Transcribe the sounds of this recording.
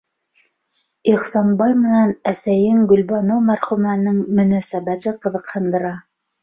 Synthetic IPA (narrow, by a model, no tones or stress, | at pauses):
iχsɑnbɑjmɘ̆nænæsæjɘŋɡɵ̆lbɑnowmæɾχʉmænɘŋmɵ̆næsæbæt̪ɘqɤ̆ðɤ̆qhɤ̆nd̪ɤ̆ɾɑ